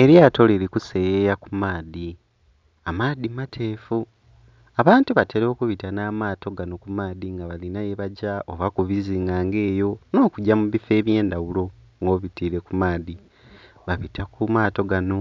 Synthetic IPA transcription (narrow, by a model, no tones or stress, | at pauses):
e̞ɾjato̞leɾikuse̞jejakumaːði | amaːdimatʰe̞ːfu | aβaːntuβatʰe̞ɾo̞ːkuβitanaːmaːto̞ɡano̞kumaːðiŋɡaβalinajeβaɟaoβakuβiziːŋɡaːŋɡe̞ːjo̞no̞ːkuɟamuβife̞ːβje̞ːndawulo̞ | ŋɡo̞ːβitiːɾe̞kumaːði | βaβitʰakumaːto̞ɡano̞